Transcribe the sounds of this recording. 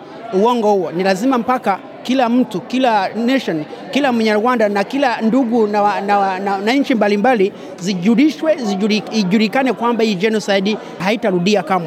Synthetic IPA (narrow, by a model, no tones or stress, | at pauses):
uwɔŋɡɔhuɔnilazimam̩paka | kilam̩tukilanɛʃɔnkilamɛɲauwandanakilanduɡunanananaɲ̩t͡ʃimbalimbali | ziuɾiʃwɛziuiʄuɾikanɛkwambahid͡ʒɛnɔsajɗi | haitaɾuɗiakama